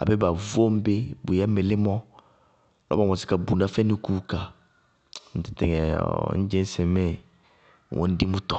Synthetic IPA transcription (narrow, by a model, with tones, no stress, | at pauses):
a̰˨be˦ba˨vo˦m̩˦be˦bu˨ja˦me˨lɪ˦mɔ̃˦ | lɔ̰˦ba˨mɔ̃˨sɪ̥˦ka˨bu˨nã˦fɛ˦nũ˦ku˦ka˨ | n̩˨tɪ̥˨tɛ˨ŋɛ˨˦n̩˦d͡ʒẽ˦n˦sɛ˨mɛ˦˨ | wʔɔ̰̃˨n̩˦di˦mũ˦tɔ̥˨